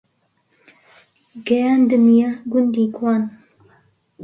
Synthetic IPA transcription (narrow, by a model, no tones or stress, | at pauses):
ɡɛjand̪ɨmijaɡʊnd̪iːkʰwaːn